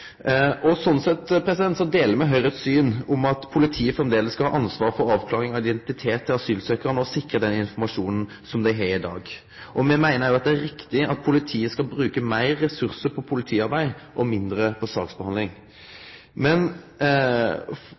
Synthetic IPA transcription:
ʔɔsɔnsɛt̪ːpʰɾɛsɪd̪ɛnt̪sɔd̪eːləɾmɛɦœʏʁɛt̪syːnʊmɑt̪pʰʊlɪt̪ʰiːəfʁɛmd̪eːləsːkɑlɑ̰ːʔɑnsʋɑːɾfɔɾɑːʋkʰlɑːʁɪŋɑɪd̪ɛnt̪ɪt̪ʰeːt̪ʰːɪlɑsyːlsøːkəɾənəɔsɪkɾəd̪ɛnɪnfɔmɑʂuːnn̩ | sɔmd̪æɪɦɛɾɪd̪ɑ̰ːɡ | ʔɔmɛmæɪnəɾjʊɑt̪̚d̪ɛæɾɪkt̪ɪɑt̪̚pʰʊlɪt̪ʰiːəskɑlbɾʉːkəmæɪɾːɛsʉʁsəpʰɔpʰʊlɪt̪ʰiːɑɾbæɪʔɔmɪnd̪ɾəpʰɔsɑ̰ːksbəhɑnlɪŋ | mɛn

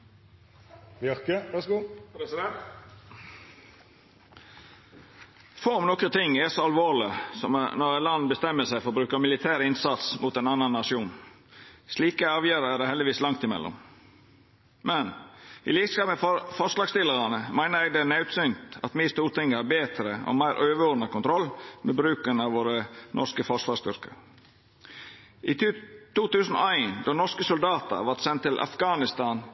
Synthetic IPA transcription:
ʋʁkəʋæsɡuːpɾɛsɪd̪ɛnt̪ | fɔɾɔmnɔkət̪ʰɪŋːɛsɔɑlʋoːlɪsɔmnɔɾɛt̪lɑnːbəst̪ɛmːəsæɪfɔʁɔbɾʉːkəmɪlɪt̪ʰæːɾɪnsɑt̪smuːt̪ɛnɑnːɑnːɑʂɪuːn | sliːkəæɑːʋjøːɾəæd̪ɛhɛld̪ɪʋiːslɑŋt̪ɪmɛ̰lːɔ̰m | mɛnɪ̰liːɡskɑːpəffɔʂlɑːɡst̪ɪlːəɾɑnəmæɪnəɾɛːɡd̪ɛnɑʉt̪sʏnt̪ɑ̰t̪miːst̪uːɾt̪ɪŋːəhɑːɾbeːt̪ɾəo̰mæɪɾʔøːʋəɔːnɑkʊnt̪ʰɾɔlːmeːbɾʉːkənɑʋʋoːɾənʔɔ̰ʂkəfɔʂʋɑːst̪ʏɾkə̰ɾ | ʔɪt̪ːt̪uːt̪ʉːsən̩ɔ̰æɪnd̪ɔnɔɾskəsʊld̪ɑːt̪ə̰ʋɑɾt̪sɛnt̪ːɪlʔɑ̰fɡɑːnɪst̪ɑːn

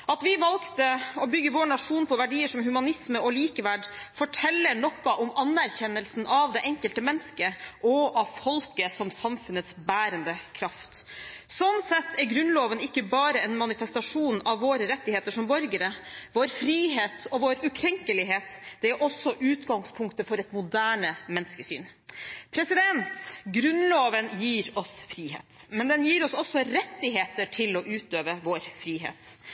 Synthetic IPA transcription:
ɑt̪ʋɪʋɑlkt̪əɔbʏɡːəʋoːɳɑʂuːnpʰɔʋæɖiːəʂɔmhʉmɑnɪsməɔliːkəʋæɖfɔʈʰɛlːəɳɔkːɑʔɔmɑnːæɾçɛnːəlsn̩ɑʋd̪ɛʔɛŋkəlt̪əmɛnːskəʔɔʔɑʋfɔlkəsɔmsɑmfʉnət̪sbæːɾənd̪əkʰɾɑft̪sɔnsɛt̪ʰːæɾɡɾʉnloːʋənɪkːəbɑːɾəɛnmɑnɪfɛst̪ɑʂuːnɑʋːoːɾəɾɛt̪ːɪeːt̪əʂɔmbɔɾɡəɾəʋoːɾfɾiːɦeːt̪ɔʋoːɾʉkʰɾɛŋkəlɪɦeːt̪d̪̥ɛæɾʔɔsːɔʔʉːt̪ɡɑŋspʰʊŋkt̪əfɔɾɛt̪mʊd̪æːɳəmɛnskəsy̰ːn | pʰɾɛsɪd̪ɛnt̪ɡɾʉnloːʋənjiːɾɔsfɾiːhḛːt̪mɛnd̪ɛnjiːɾɔsɔsːɔɾɛt̪ːɪɦeːt̪əʈʰɪloːʔʉːt̪øːʋəʋoːɾfɾiːɦḛːt̪

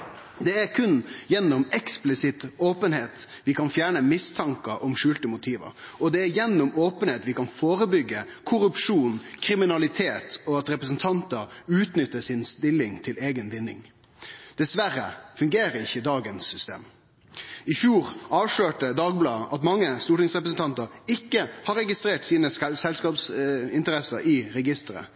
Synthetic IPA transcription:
d̪ɛæɾkʰʉnjɛnːɔmɛksplɪsɪt̪oːpənheːt̪ | ʋɪkʰɑnfjæːɳəmɪst̪ʰɑŋkəʔɔmʂʉːlt̪əmʊt̪ʰiːʋə̰ɾɔd̪ɛæɾjɛnːʊmoːpənheːt̪ʋɪkɑnfoːɾəbʏɡːəkʰʊɾʉpʂuːnkʰɾɪmɪnɑlɪt̪ʰeːt̪ɔɑt̪ɾɛpɾəsənt̪ʰɑnt̪əɾʉːt̪nʏt̪ːəsɪnst̪ɪlːɪŋt̪ʰɪleːɡənʋɪnːɪ̰ŋ | d̪̥ɛsʋæɾːə̰fʉŋɡeːɾəɪçːəd̪ɑːɡənsːʏst̪ḛːm | ɪfjuːɾɑːʋʂɭøːʈəd̪ɑːɡ̚blɑːʔɑt̪mɑŋːəst̪uːʈɪŋsʁɛpɾəsən̩t̪ɑnt̪əɾɪkːəhɑɾɛɡɪst̪ɾeːʈsiːnəssɛlskɑːpsɪnt̪əɾɛsəɾɪɾɛɡɪst̪əɾə̰

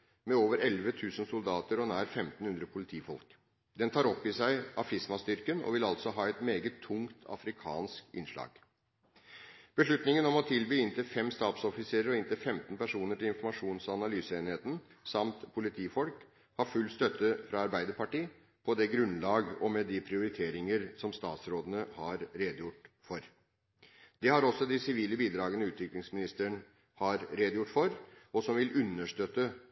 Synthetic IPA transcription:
mɛoːʋəɾɛlʋət̪ʰʉːsən̩sʊld̪ɑːt̪əɾɔnæːɾfɛmt̪n̩hʉnd̪ɾəpʰʊlɪt̪ʰiːfɔ̰lk | d̪ɛnt̪ʰɑːɾɔpːɪsæɪʔɑfɪsmɑst̪ʏɾkənɔ̰ʋɪlɑlt̪sɔɦɑːɛt̪meːɡət̪ʰːʊŋt̪ʰɑ̰fɾɪkʰɑ̰ːnskɪ̰nʂlɑ̰ːɡ̥ | b̥əʂɭʉt̪nɪŋənɔmɔt̪ʰɪlbyːɪnt̪ʰəfɛmst̪ɑːt̪sɔfɪseːɾəɾɔɪnt̪ʰəfɛmt̪n̩pæʂuːnəʈɪlɪnfɔɾmɑʂuːnsɑnɑlyːsəeːnheːt̪n̩ | sɑmt̪pʰʊlɪt̪ʰiːfɔlk | hɑɾfʉlːst̪œt̪ʰːəfɾɑɑɾbæɪd̪əɾpɑʈiː | pʰɔd̪ɛɡɾʉnlɑːɡɔmɛd̪ɪpʰɾɪʊɾɪt̪ʰeːɾɪŋəɾsɔmst̪ɑːt̪sɾoːd̪ənəhɑɾɾeːd̪jʊʈːfɔɾ | d̪̥ɛhɑɾɔsːɔd̪ɪsɪʋiːləbiːd̪ɾɑːɡənəʉːt̪ʋɪklɪŋsmɪnɪst̪əɳ | hɑɾɾeːd̪əjʊʈːfɔɾɔsɔmʋɪlʉnːəʂʈ̪øt̪ːə

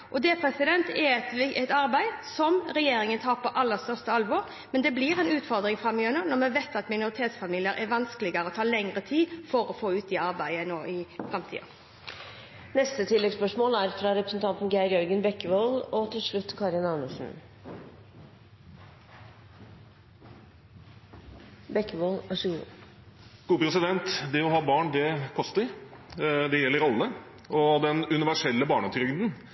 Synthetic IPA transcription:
ʔɔd̪eːpʰɾɛsɪd̪ɛnt̪ɛt̪ɛt̪ɑɾbæɪsɔmʁɛjeːɾɪŋənt̪ʰɑːʁpɔʔɑlːəst̪œʁst̪əɑlʋɔːɾ | mɛnd̪ɛblɪʁɛnʉːt̪fɔɾd̪ʁɪŋfʁɑmːɪønənɔmɛʋeɪt̪ɑt̪mɪnʊɾɪt̪ʰeːt̪sfɑmiːlɪəɾʔɛʋɑnskəlɪɡəɾəɔt̪ʰɑːlɛŋʁət̪ʰiːfɔɾɔfoːʉːt̪̚d̪ɛɑɾbæɪənoːʔɪfʁɛmt̪ʰḭːɑ̰ | nɛst̪ət̪ʰɪlːɛɡspœʂmoːlæɾfɾɑɾɛpɾəsn̩t̪ʰɑnt̪n̩ɡæɪɾjœɾɡənbɛkːəʋolɔt̪ʰɪlʂɭʉt̪ːkʰɑːɾɪnɑnəʂn̩ | bɛkːəboːlæʂ | ɡ̥uːpɾɛsɪd̪ɛnt̪d̪ɛɔhɑːbɑːɳd̪ɛkʰɔst̪əɾ | d̪ɛjɛlːəɾɑlːə | ɔd̪ɛnʉnɪʋæʂɛlːəbɑːɳɑt̪ʰɾʏɡd̪ən

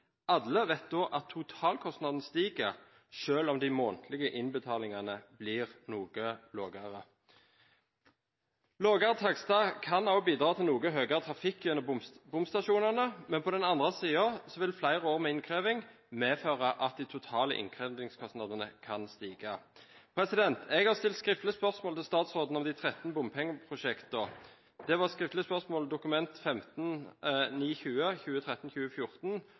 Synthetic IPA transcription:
ɑd̪ləʋɛt̪̚d̪oːʔɑt̪ʰːʊt̪ʰɑːlkʰɔst̪nɑd̪n̩əst̪iːɡəʁ | ʃøːlɔmd̪ɪmoːnt̪ʰlɪɡəʔɪnbət̪ʰɑːlɪŋɑnəblɪːʁnuːɡ̥əloːɡəɑʁə | loːɡɑʁət̪ʰɑɡst̪ɑːkʰɑnɑʊbiːd̪ʁɑːt̪ʰɪlnuːɡəɦøːɡəʁət̪ʰʁɑfɪkːjʉnəbʊmst̪ɑʃuːnɑnəmɛnpʰɔd̪ɛnɑnd̪ʁəsiːəsɔʋɪlflæɪʁəoːʁmɛɪnkʰʁeːʋɪŋ | meːføːʁəʔɑt̪̚d̪ɪt̪ʰʊt̪ʰɑːlə̰ʔɪ̰ŋkʰʁɛd̪ɪŋskʰɔsnɑd̪ənə̰kʰɑnst̪iːɡɑpʰɾɛsɪd̪ɛnt̪ʰɛɡhɑʁst̪ɪlt̪skʁɪft̪lɪəspœʁsmoːlt̪ʰɪlst̪ɑːt̪sʁoːd̪n̩ɔmd̪ɪt̪ʰʁɛt̪ːnbʊmpʰɛŋəpʰʁʊʃɛkt̪ə | d̪̥ɛʋɑʁskʁɪft̪ləspœʁsmoːld̪ʊkʉmɛnt̪fɛmt̪n̩niːçʉːəçʉːət̪ʰʁɛt̪ːnçʉːəfjʊʁt̪n

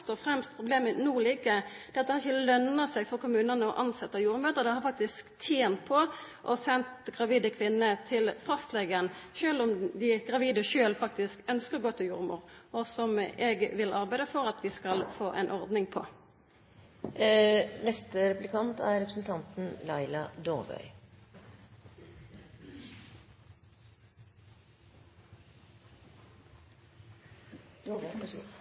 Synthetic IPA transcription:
st̪oːfʁɛmst̪pʰʁʊbleːmənuːliːkəd̪ɛːɛɑt̪əhɑɾɪçːəlœnɑsɛɡfɔʁkʊmʉːnənəɔ̰ʔɑnsɛt̪ːəjuːɾmøːt̪əʁd̪ɛhɑɾfɑk̚t̪ɪskt̪ʰjeːnt̪̚pʰɔ | ʔɔsɛnt̪ɡʁɑʋiːd̪əkʰʋɪnːət̪ʰɪlfɑst̪leːɡənʃøːlʊmd̪ɪɡʁɑʋiːd̪əʃøːlfɑk̚t̪ɪskœnskəʁɡoːt̪ʰɪljṵːɾmṵːʁʔɔsɔmɛɡʋɪlʔɑʁbæɪd̪əfɔɾɑt̪ʋɪskɑlfoːʔḛnʔɔʁd̪nɪŋpʰo̰ː | nɛst̪əɾɛplɪkʰɑnt̪ʰæɾɛpɾəsn̩t̪ʰɑnt̪n̩lɑɪlɑd̪oʁʋœ̰ʏ

